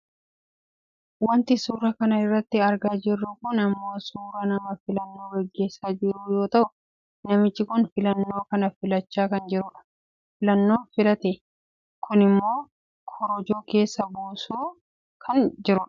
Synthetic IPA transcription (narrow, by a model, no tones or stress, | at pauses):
wɐnt̪ɪsuːɾɐkɐnɐɪrːɐt̪ːɪɐɾɡaːd͡ʒɪrːʊkʊnɐmːo̞ːsuːɾɐnɐmɐfɪlɐnːo̞ːɡɛɡːe̞ːsːaːd͡ʒɪɾuːjo̞ːt̪ɐʔʊ | nɐmɪt͡ʃːɪkʊnfɪlɐnːo̞ːkɐnɐfɪlɐt͡ʃːaːkɐnd͡ʒɪɾʊᶑɐ̥ | fɪlɐnːo̞ːfɪlɐt̪ɛ | kʊnɪmːo̞ː | kʰɔɾɔd͡ʒoːke̞ːsːɐbuːsuː | kʰɐnd͡ʒɪɾʊᶑɐ̥